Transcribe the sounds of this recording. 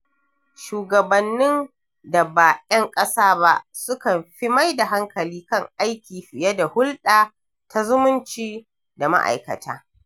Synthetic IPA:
ʃuː˨ɡɐ˨bɐ˨nːɪ˦n | da˨ba˨jɐ˦ŋkʼɐ˦saː˦ba̰˦sʊ˦kɐ˨mɸi˦ma˦jda˨ɦa˦ŋkɐ˨liː˦kɐ˦˨ŋʔa˦jkʲiː˨ɸɪ˨jɛ˦da˨hʊ˦lɗaː˨ | tʰa˦zʊ˦mʊ˦nt͡ʃiː˦ | da˨ma̰˦ʔa̰˨jkɐ̰˨tʰa̰ː˦

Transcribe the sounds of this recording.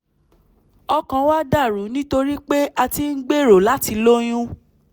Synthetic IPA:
ɔ˧kã˨˧wa˦da˦˨ɾu˨˦nĩ˦to˧ɾi˦k͡pe˦a˧ti˧ŋ̩˦ɡ͡be˦˨ɾo˨la˨˦ti˧lo˦j̃ũ˦

